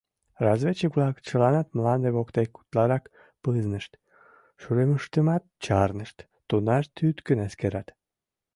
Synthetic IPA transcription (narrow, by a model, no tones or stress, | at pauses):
rɑzvet͡ɕəkvlɑkt͡ɕəlɑnɑt̪mlɑnd̪eβokt̪ejku̥t̪lɑɾɑk | pɨznəʃt̪ | ʃuɾeməʃt̪əmɑt̪t͡ɕɑrnəʃt̪ːonɑʃt̪yt̪kənæskeɾɑt̪